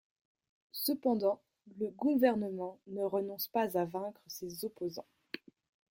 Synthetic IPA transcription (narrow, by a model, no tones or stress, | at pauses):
səpɑ̃d̪ɑ̃ | ləɡuvɛʁnəmɑ̃nəʁənɔ̃spazavɛ̃kχəsezɔpozɑ̰̃